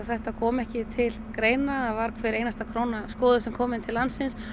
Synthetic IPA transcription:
θɛht̪akʰɔːmɛhcɪt̪ʰɪlkɾeːjnaðavaɾkʰvɛːɾejnast̪akʰɾoːwnaskɔːðʏsɛmkʰɔːmɪnt̪ʰɪlːansːɪns

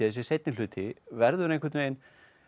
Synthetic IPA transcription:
ðsjɛsejt̪nɪ̥ʏːt̪ʰɪvɛɾðʏɾẽjŋkvɛɾt̪meːjn

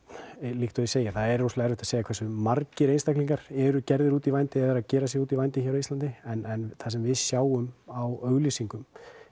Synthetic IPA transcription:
liːkt̪ʏðɪseːjaθaðɛɾːuslaɣaɛɾvʏht̪asejakʰɛsʏmarcɪɾejnst̪akliŋkaɾ̥ɛɾʏcɛɾðɪɾuːt̪ivajnt̪ɪɛðaɾaðcɛːɾasjɛɾuːt̪ivajnt̪ɪçɛɾawist̪lant̪ɪɛnɛnθasɛmvɪðsjaːwʏmawœɣlisiŋkʏm

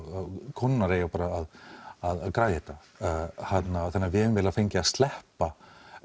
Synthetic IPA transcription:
kʰɔnːaɾeːjapaːɾaːðaðaðkɾaːjhɛt̪a | hat̪naθɛnːaɾvɪɛʏmvɪːlafejɲcɪaðst̪lɛhpa

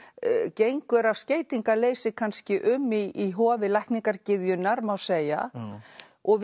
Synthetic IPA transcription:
cejŋkʏɾawsceːjt̪iŋkaleːjsɪkʰanscɪʔʏmːiːɦɔːvɪlajhkniŋkaɾcɪðjʏnːaɾmawseːja̰ | ɔɣ

